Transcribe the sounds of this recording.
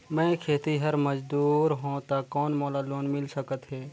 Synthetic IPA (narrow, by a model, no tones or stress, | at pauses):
mɛ̃ːkʰeːt̪iɦəɾməd͡ʒd̪uːɾɦõt̪akɔːnmoːlaloːnmɪlsəkət̪ɦɛː